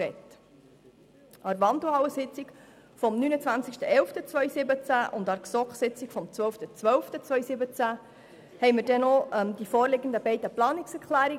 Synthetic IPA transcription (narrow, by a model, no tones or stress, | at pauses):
ɛt | ʔɑɾʋɑnd̪l̩hɑwəsɪt͡sɪk | fɔmnyːnət͡svʋænt͡sɪkʃtəʔɛlftət͡sʋœʏsɪbət͡sæʔʊnd̪ɑɾksɔkχsɪt͡sɪkfɔmt͡sʋœlftət͡sʋœlftət͡sʋœʏsɪbət͡sæ | hɛɪməɾdɛnɔɛmd̪ifɔːɾlɪɡən̩d̪əbɛɪdəplɑːnɪksɛɾkʰlæːɾi